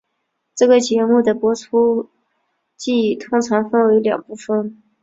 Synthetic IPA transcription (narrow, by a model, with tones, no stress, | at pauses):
ʈ͡ʂɤ˥˩ɡə˩t͡ɕjɛ˧˥mu˥˩d̪ə˩pwɔ˧˥ʈ͡ʂʰu˥ | t͡ɕi˥˩t̪ʰʊ˥ŋt͡sʰɑ˧˥ŋfə˥nwe˧˥ɪljɑ̰˨˩ŋpu˥˩fə˩n